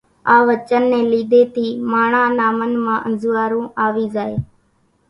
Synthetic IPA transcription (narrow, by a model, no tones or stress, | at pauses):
aːʋət͡ʃənːẽːliːd̪eːt̪iːmaːɳãːnaːmənmãːʔənzʊːaːɾũːʔaːʋiːzaːeː